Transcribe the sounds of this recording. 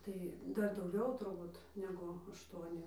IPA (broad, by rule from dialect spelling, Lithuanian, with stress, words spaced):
tɐɪ ˈdɐr dɐʊˈɡʲɛʊ tʊrˈbuːt ˈnʲæːɡʊ ɐʃˈtuɔnʲɪ